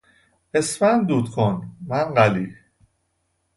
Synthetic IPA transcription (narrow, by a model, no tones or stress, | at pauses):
esmænd̪uːt̪kʰonmænɢæliː